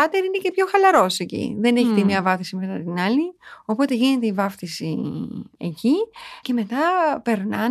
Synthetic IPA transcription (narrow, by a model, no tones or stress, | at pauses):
ɐt̪eɾine̞ce̞pço̞xɐlɐɾo̞se̞cḭðe̞ne̞çit̪imɲɐvɐfθisimet̪ɐt̪inɐlio̞po̞t̪e̞ʝine̞t̪e̞ivɐfθisḭecice̞me̞t̪ɐpe̞ɾnɐ